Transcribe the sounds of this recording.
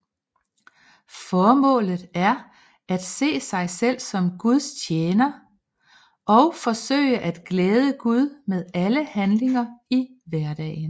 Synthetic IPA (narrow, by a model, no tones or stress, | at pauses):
fɒːmɔ̰̽ːlð̩ˠæɐ | ʔæd̥se̝̰ːsɑ̈ɪsel̰sɒ̽mɡ̥uð̞ˠst͡ɕʰjeːnɐ | ʔɒ̽ʊfɒ̽sø̰ɪəʔæd̥ɡ̥leːð̞ˠəɡ̥uð̞ˠmeðˠæləhænle̝ŋɐiʋæɐd̥ɛ̰ːɪn̩